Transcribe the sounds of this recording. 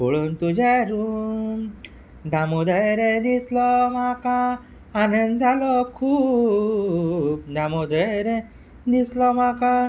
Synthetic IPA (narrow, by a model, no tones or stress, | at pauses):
boɭunt̪ud͡ʑeɾum | d̪amod̪eɾed̪islɔmakaː | nənd͡zʱalɔkʰuː | p̚d̪amod̪eɾe | d̪islɔmaka